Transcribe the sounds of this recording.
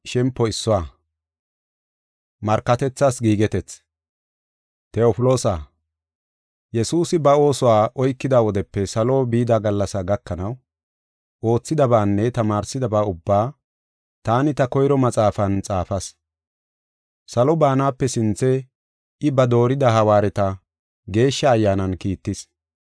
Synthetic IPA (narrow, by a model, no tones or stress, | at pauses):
ʃɛmpːɔɪsːɔwaː | mɐɾkːɐt̪ɛt͡sːaːsɡiːɡɛt̪ɛt͡s | t̪ɛopɪloːsa | jɛsuːsɪbɐo̞ːsɔwaːʔɔjkːɪd̪aːwɔd̪ɛpːɛsɐlo̞ːbiːd̪aːɡɐlːɐsɐɡɐkːɐnɐw | ʔo̞ːt͡sːɪd̪ɐbaːnːɛt̪ɐmaːɾsɪd̪ɐbaːʊbːaː | t̪aːnɪt̪ɐkɔjɾɔmɐt͡sʼaːfɐnt͡sʼaːfɐs | sɐlɔbaːnaːpːɛsɪnt͡sːɛ | ɪbɐd̪o̞ːɾɪd̪ɐɦɐwaːɾɛt̪ɐ | ɡe̞ːʃːɐːjːaːnɐnkiːt̪ːɪs